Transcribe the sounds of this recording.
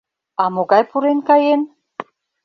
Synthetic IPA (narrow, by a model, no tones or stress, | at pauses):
ɑmoɣɑjpuɾenkɑjen